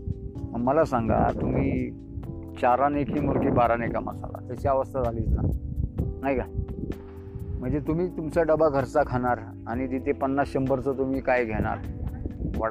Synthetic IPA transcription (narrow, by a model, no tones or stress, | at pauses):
məɡməlasaŋɡa̰t̪um̤iː | t͡ɕaɾanekʰiːmoɾʈiːbaɾãnekamə̰sa̰la̰t̪jat͡ɕiaʋəst̪ʰad͡zʱaliːt͡sna | naɦjkaj | m̤əɳd͡zet̪um̤iːt̪umt͡saɖəbaɡʱəɾt͡sakʰaɽ̃aɾ | aɽ̃id̪it̪ʰepənːasɕəmbəɾt͡sət̪um̤iːkajɡʱeɽ̃a̰ɾ | ʋəɽ